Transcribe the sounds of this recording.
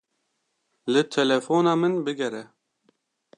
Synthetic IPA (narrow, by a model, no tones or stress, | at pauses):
lɨt̪ʰɛlɛfoːnɑːmɨnbɨɡɛɾɛ